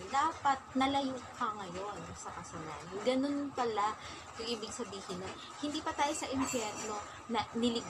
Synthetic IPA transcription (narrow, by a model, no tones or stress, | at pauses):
d̪aːpɐt̪̚nɐlɐjukɐŋɐjo̞nsɐkɐsɐna̰ːnʊnɡɐno̞npɐla | kʊŋʔiːbɪɡ̚sɐbiːhɪnɐ | hɪnd̪iːpɐt̪aːjosɐʔɪmpɛnlo | nɐnɪlɪɡ